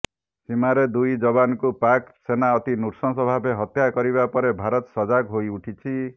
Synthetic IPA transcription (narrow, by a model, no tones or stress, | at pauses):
simaɾed̪ujd͡ʒɔbanɔkupaksenaɔt̪inuɾsɔsɔbʱabeɦɔt̪jakɔɾiβapɔɾebʱaɾɔt̪sɔd͡ʒakɦojuʈʰit͡ʃʰi